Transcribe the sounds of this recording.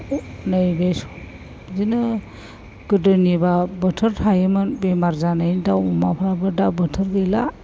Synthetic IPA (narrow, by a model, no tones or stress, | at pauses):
najbesu̥ | zinɯ | ɡɯdɯnibabətʰəɾtʰajɯmɯnbemaɾzanajndawumapʰabadabətʰɐɾɡela